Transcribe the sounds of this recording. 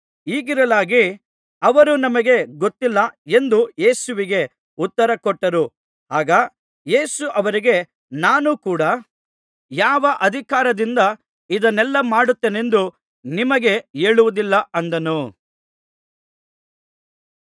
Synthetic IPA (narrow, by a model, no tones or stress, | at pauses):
iːɡiɾɐlaːɡi | ɐʋɐɾunɐmɐɡe̞ɡot̪ːilːɐe̞nd̪uje̞ːsuʋiɡe̞ | ut̪ːɐɾɐkɔʈːɐɾu | aːɡɐ | je̞ːsuʔɐʋɐɾiɡe̞ | naːnukuːɽɐ | jaːʋɐʔɐd̪ʱikaːɾɐd̪ind̪ɐ | id̪ɐnɛlːɐmaːɽut̪ːene̞nd̪u | nimɐɡe̞e̞ːɭuʋud̪ilːɐʔɐnd̪ɐnu